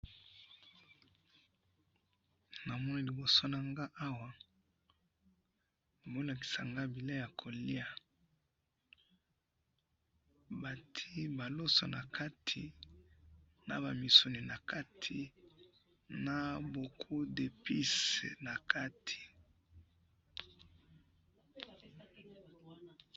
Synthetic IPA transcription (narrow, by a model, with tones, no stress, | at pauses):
na˨mɔ˦ni˦li˨bo˨so˦na˨ŋɡa˦ʔa˦wa˦˨ | bo˦la˨ki̥˨sa˨ŋɡa˦bi˨la˦ja˨kʰo˨li˦a˦ | ba˨tʰi˦ba˨lo˦so̰˨na̰˨kʰa˦tʰi˨ | na̰˨ba˨mi˨so˨ni˨na˨ka˦tʰi˨ | na˨bo˨kʰu˦de˨pi˦se˨na˨ka˦tʰi̥˨